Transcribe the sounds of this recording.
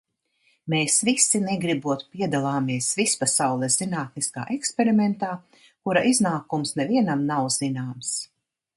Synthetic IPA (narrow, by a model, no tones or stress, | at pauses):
meːsvisːinɛɡɾibuɔt̪piɛd̪alˠaːmiɛsvispasawlˠɛszinaːt̪niska̰ːʔɛkspʲeɾimɛnt̪aː | kuɾaʔiznaːkumsnɛviɛnamnawz̥inaːms